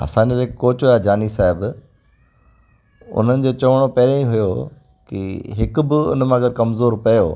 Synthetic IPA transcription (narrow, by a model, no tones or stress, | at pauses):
ɐ̰sãːiɾeːkkoːt͡ɕojaːd͡ʑaːnisaːɦɪb | ʊ̰n̤ənɪ̆d͡ʑoːt͡ɕɐʋəɽ̃opɐːɾẽĩɦʊjo | kḭɦɪkʊbɪʊ̰n̤mãːɡɐɾkɐmzoːɾpɐjo̰ː